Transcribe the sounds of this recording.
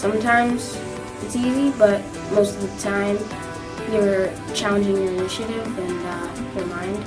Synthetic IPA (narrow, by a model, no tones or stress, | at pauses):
sʌ̃mtʰãɪ̃mz̥ | ɨtsizibʌt̚ | moʊstʌvðɨtʰãɪ̃m | jə˞ | t͡ʃʰælˠə̃nd͡ʒɪ̃ŋjə˞ɨnɪʃɨɾɪvɨ̃njə˞mãɪ̃nd̥